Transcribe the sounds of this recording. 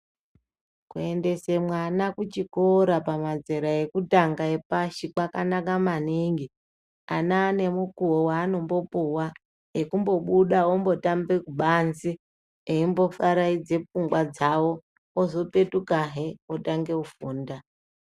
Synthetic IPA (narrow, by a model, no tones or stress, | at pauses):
kue̞nde̞se̞mwanakut͡ʃikoɾapamad͡zeɾae̞kutaŋɡae̞paʃik͡pakanakamaniŋɡi | anaːne̞mukuwowaːno̞mbo̞puwa | ɦekumbo̞ɓuɗaombo̞tambe̞kuɓanzi | eimbo̞faɾaid͡ze̞pp͡fuŋɡwad͡zawo̞ | ozo̞pe̞tukaɦeotaŋɡe̞ufuːnda